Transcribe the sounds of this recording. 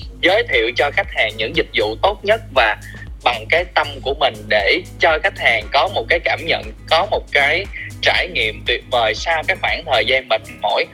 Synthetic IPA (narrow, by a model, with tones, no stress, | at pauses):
zəː˨˦jt̪ʰḭ˧˨əwt͡ɕɔ˧xa˦˥k̚haː˨˩ŋɲɨ̰˧˥ŋzï˨˩k̟̚zṵ˧˨t̪o˦˥t̚ɲə˦˥t̚vaː˨˩ | ɓa˨˩ŋkaː˨˦jt̪ə˧mku˧˩əmï˨˩ŋ̟ɗe˧˩t͡ɕɔ˧xa˦˥jk̟̚haː˨˩ŋkɔ˨˦mo˨˩t̚kaː˨˦jkaː˧˩mɲə̰˧˨nkɔ˨˦mo˨˩t̚kaː˨˦jt͡ɕaː˧˩jŋḭ˧˨əmt̪wi˨˩ət̚vəː˨˩jsaː˧wkaː˦˥k̚xwaː˧˩nt̪ʰəː˨˩jzaː˧nmï˨˩ŋ̟mo̰˧˥˨j